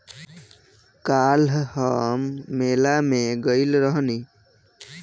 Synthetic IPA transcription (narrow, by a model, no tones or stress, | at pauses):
kalhɔmːelameɡɔjlɾɔɦɔni